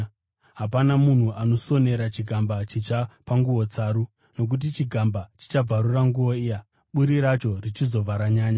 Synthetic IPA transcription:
ɦapanamun̤uʔano̞so̞ne̞ɾat͡ʃiɡʱambat͡ʃit͡ʃapaŋɡuwo̞t͡saːɾu | no̞k̬ut̬it͡ʃiɡʱambat͡ʃi̥t͡ʃab͡vaɾuraŋɡuʋo̞ija | ɓuɾiɾat͡ʃo̞rit͡ʃizo̞vaɾaɲaːɲa

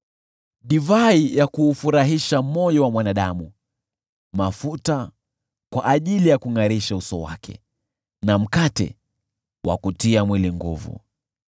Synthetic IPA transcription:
ɗivaijakuːfuɾaɦiʃamɔjɔwamwanaɗamu | mafuta | kwaʔːʄilijakuŋaɾiʃausɔwa̰kʰɛ̰ | nam̩katɛ̰ | wa̰kutiamwiliŋɡṵvṵ

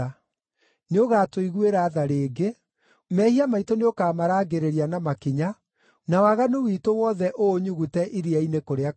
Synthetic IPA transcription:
a | neoɣaːtoiɣueɾaːðaɾeːɡe | mɛhiamaitoneokaːmaɾaːɡeɾeɾianamakiɲa | nawaɣanowiːtowɔðɛʔoːɲuɣutɛʔiɾiainekoɾea

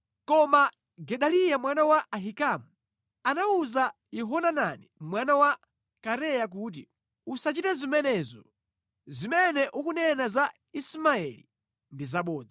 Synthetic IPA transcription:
kɔma | ɡɛɗalijamwanawaʔaɦikamu | anauza | jɛɦɔnananimwanawa | kaɾɛjak̬uːt̬i | usat͡ʃitazimɛnɛzɔ | zimɛnɛʔukunɛnaza | ismaɛlḭ | ndizaɓɔːd͡zi

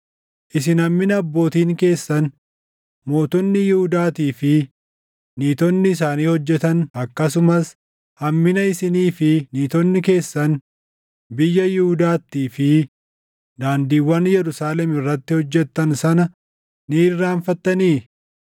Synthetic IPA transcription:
ʔɪs̬ɪnɐmːɪnɐːbːo̞ːt̪iːŋke̞ːsːɐn | mo̞ːt̪ʊnːɪjɪhʊd̪aːt̪iːfɪː | iːt̪ɔnːɪːs̬aːniːhɔd͡ʒːɛt̪ɐnɐkːɐs̬ʊmɐs | hɐmːɪnɐɪsɪniːfɪniːt̪ɔnːɪke̞ːsːɐn | bɪjːɐjɪhʊd̪aːt̪ːiːfɪ | d̪aːnd̪iːwːɐnjɛɾʊsaːlɛmɪrːɐt̪ːɪhɔd͡ʒːɛt̪ːɐnsɐnɐ | niːrːaːnfɐt̪ːɐniː

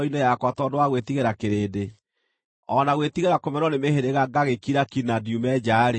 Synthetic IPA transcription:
inɛjakwatɔdoaɣwetiɣeɾakeɾeːde | ɔnaɣwet̪iɣeɾakomɛɾɔnemeheɾeɣaɡaɣekiɾakinadjumɛd͡ʑaɾe

